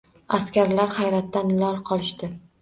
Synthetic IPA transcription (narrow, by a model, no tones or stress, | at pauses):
askʲaɾlaɾχajɾat̪ːanlɒɾqʰɒlˠɪʃt̪ɪ